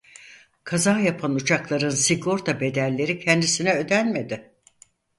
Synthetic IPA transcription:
kʰazaːjapʰanut͡ʃʰaklˠaɾɯnsiɡo̞ɾt̪ʰabe̞d̪ælʲːe̞ɾicʰɛnd̪isinɛø̞d̪ænme̞d̪ɪ

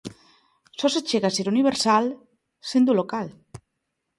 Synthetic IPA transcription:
sɔset͡ʃeɣaseɾuniβeɾsal | send̪ulokal

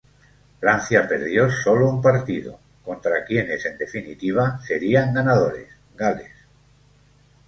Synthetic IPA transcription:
fɾan̟θjape̞ɾðjo̞so̞loumpaɾt̪iðo̰ | ko̞nt̪ɾakje̞ne̞se̞nd̪e̞finit̪iβ̞ase̞ɾiaŋɡanaðoɾe̞̰s | ɡale̞̰s

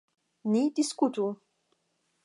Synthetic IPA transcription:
nit̪iskut̪u

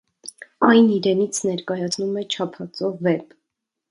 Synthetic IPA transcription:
ɑjniɾɛnit͡sʰnɛɾkɑjɑt͡sʰnumɛt͡ʃʰɑpʰɑt͡sɔvɛb

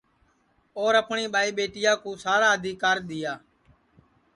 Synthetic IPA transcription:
oːɾəpɳiːɓaːiːɓeːʈɪjaːkũːsaːɽaːɦəd̪ʱiːkaːɾɗ̪ɪjaː

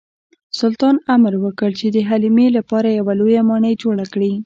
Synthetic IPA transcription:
sʊlt̪ɑnamɾwəkəɽt͡ʃed̪əɦalimelapɑɾajawalojamɑɳəjd͡ʒoɽakɽi

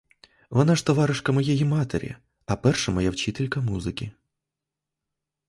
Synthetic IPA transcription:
vɔnaʂt̪ɔʋɑɾɨʂkɐmɔjɛjimat̪ḛɾʲḭ | ɐpɛrʂɐmɔjawt͡ʃit̪ɛlʲkɐmuzɨkʲi

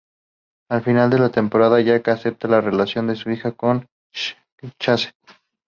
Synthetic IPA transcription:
alfinald̪e̞lat̪e̞mpo̞ɾaðaʝakase̞p̚t̪alare̞lasjo̞nd̪e̞suixako̞n | t͡ʃase̥

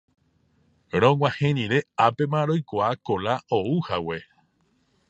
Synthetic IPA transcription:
ɾõŋwãhẽñĩɾe̞ape̞mãɾojkʷaakolaʔouhawe̞

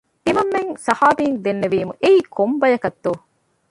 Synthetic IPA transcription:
t̪imɐmːeŋsɐhaːbiːŋd̪enːeʋiːmuʔeiːkʰombɐjɐkɐt̪ːoː

